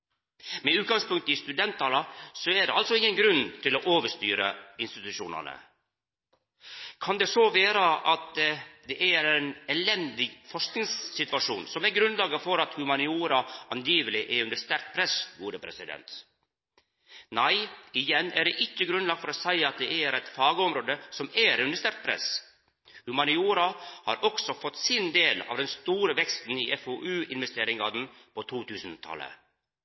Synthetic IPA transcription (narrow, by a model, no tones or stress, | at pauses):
mɛʉːt̪ɡɑŋspʉŋk̚t̪əɪst̪ʉd̪ɛnt̪ʰːɑːlɑsɔæɖɛ̰ɑlt̪sɔɪŋːənɡɾʉnt̪ʰɪloːʔoːʋəʂt̪y̰ːɾə̰ɪnst̪ɪt̪ʉʃṵːnɑ̰nə̰ | kʰɑnd̪ɛsoːʋeːɾəʔɑt̪d̪ɛʔæɾɛnɛlɛnd̪ɪɡfɔʂknɪŋsːɪt̪ʋɑʂṵːnsɔmæɾɡɾʉnlɑːɡəfɔɾɑt̪hʉmɑnɪuːɾɑʔɑnjiːʋəlɪʔɛʉnd̪əʂt̪æɾk̪̚pʰɾɛsɡuːɾəpʰɾɛ̰sɪd̪ɛ̰nt̪ | næɪɪjɛnːæɖɛʔɪçːəɡɾʉnlɑɡ̚t̪fɔɾɔːsæɪɑt̪̚d̪ɛæɾæɪt̪fɑːɡəɔmɾoːd̪əsɔmæɾʉnd̪əʂt̪æɾt̪̚pʰɾɛ̰s | hʉmɑnɪuːɾɑhɑ̰ːɾɔksɔfɔt̪ːsɪnd̪eːlɑ̰ːʋd̪ɛnst̪uːɾəʋɛkst̪n̩iːʔɛfoːʔʉːɪnʋɛst̪eːɾɪŋɑd̪n̩pʰot̪ʰuːt̪ʰʉːsn̩t̪ʰɑ̰lə̰